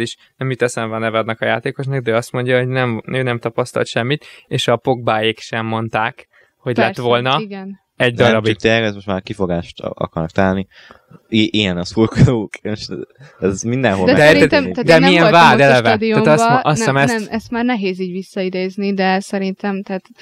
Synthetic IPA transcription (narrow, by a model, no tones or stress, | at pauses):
iʃ | nɛmit̪ːɛsɛmvɒnɛvɛd̪nɛkɒjaːt̪eːko̞ʃnɒɡ̚d̪ɛɒst̪mo̞ɲɟɒɦo̞ɟnɛmnøːnɛmt̪ɒpɒst̪ɒ̰lt̪ʃɛmːit̪eːʃɒpo̞ɡ̚baːjekʃɛmːo̞nt̪aːk | ho̞ɟllɛt̪ʋo̞lnɒɡɛn | ɛɟd̪ɒɾɒbit̪ejɛkɛzmoʃtmaːɾkifo̞ɡaːʃt̪ɒ̰kɒɾnɒkt̪ɔnaːlni | iʔijɛnɛsulkoːkeʃɛzmind̪ɛnɦod̪ɛd̪ɛɛt̪atd̪ɛmiɛnvaːd̪ɛlɛvɛd̪ioat̪ɒʔɒsɛmɛsmɛst̪maːrnɛɦeːziːɟʋisːɒid̪eːznid̪ɛsɛɾint̪ɛmt̪ɛaːt̪